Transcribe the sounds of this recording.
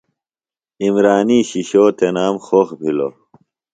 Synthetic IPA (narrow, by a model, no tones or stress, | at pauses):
imɾaːniːɕiɕoːt̪enaːmxoːxbʱilo̰